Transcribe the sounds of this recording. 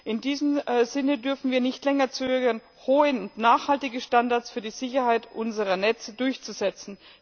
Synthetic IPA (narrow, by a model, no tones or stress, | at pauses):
ʔɪndiːzəm̩zɪnədʏɐfn̩viːɐnɪçtlɛŋɐt͡søːɡɐn | hoːəʊntnaːχhaltɪɡəʃtandaɐsfyːɐdiːz̥ɪçɐhaɪtʔʊnzəʁɐnɛt͡sədʊɐçt͡suzɛt͡sn̩